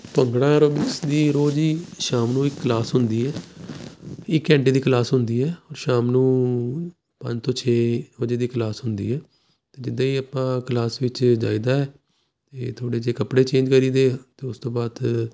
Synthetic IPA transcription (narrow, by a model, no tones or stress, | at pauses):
pəŋɡɽãːɾoːbɪksd̪iːɾoːd͡ʒiːʃaːmnũːɪkːlaːsɦʊnd̪iːɛː | ɪkːɛ̃ːɳʈiːd̪iːkəlaːsɦʊnd̪iːɛːɔːɾʃaːmnũː | pə̰ɲd͡ʒt̪õːt͡ʃʰeːɾoːd͡ʒiːd̪iːkəlaːsɦʊnd̪ḭːɛː | t̪eːd͡ʒɪd̪ãːiːəpãːkəlaːsʋɪt͡ʃd͡ʒa̰ːiːd̪aːɛː | t̪eːt̪ʰoːɽeːd͡ʒeːkəpɽeːt͡ʃẽːd͡ʒkəɾiːd̪eːt̪eːʊst̪õːbaːd̪